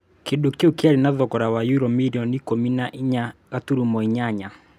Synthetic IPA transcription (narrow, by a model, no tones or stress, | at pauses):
kiɗukiukiaɾinaðɔkɔɾawajuɾɔmiɾiɔnikɔminaʔiɲakatuɾumɔiɲaɲa